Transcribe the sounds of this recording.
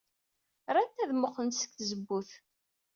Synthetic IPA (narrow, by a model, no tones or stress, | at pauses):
ɾˤænt̪æðmʊχənsə̥kθzəbːuθ